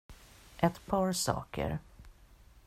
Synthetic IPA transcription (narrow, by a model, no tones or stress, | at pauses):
ʔɛt̪pʰɑːɾsɑ̰ːkʰə̰ɾ